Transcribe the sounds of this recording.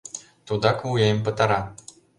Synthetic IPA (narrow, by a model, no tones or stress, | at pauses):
t̪ud̪ɑkujejmʲpɤ̆t̪ɑɾɑ